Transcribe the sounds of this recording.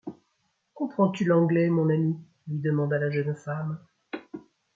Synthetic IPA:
kɔ̃pχɑ̃t̪ylɑ̃ɡlɛmɔ̃nami | lɥid̪əmɑ̃d̪alaʒənfam

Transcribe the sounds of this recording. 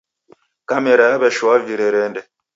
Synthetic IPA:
kameɾaabɛʃwaviɾeɾɛndɛ

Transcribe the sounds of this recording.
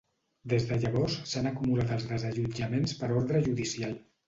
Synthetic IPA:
d̪ezðəʎəβɔssanəkumulat̪əlˠzðəzəʒud͡ʒəmenspəɾɔɾðɾəʒuðisialˠ

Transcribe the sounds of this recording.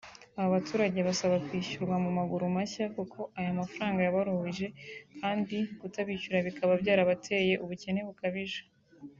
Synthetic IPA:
aβaβatuːɾaɟeβasaβakwiːɕuɾɡwamumaɡuɾumaçakukʰo̞ʔajamafɾaːŋɡajaβaɾuiʒe̞kʰaːndikutaβiːcuɾaβikaβabɟaːɾaβatʰe̞ːje̞ʔuβuce̞ne̞βukaβiʒḁ

